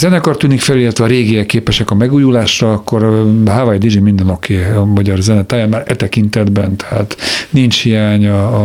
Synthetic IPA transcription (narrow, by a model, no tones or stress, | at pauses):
zɛnɛkort̪yːnikfɛlilɛt̪ʋɛɒɾeːɡiɛkeːpɛʃɛkɒmɛɡuːjulaːʃrɒːkːo̞rɦavɒjd̪id͡ʒimind̪ɛno̞kʰeːɒmɒɟɒrzɛnɛt̪aːjaːnmaːɾɛt̪ɛkint̪ɛd̪bɛnt̪ɛha̰ːt̪nint͡ʃhijaːɲɒ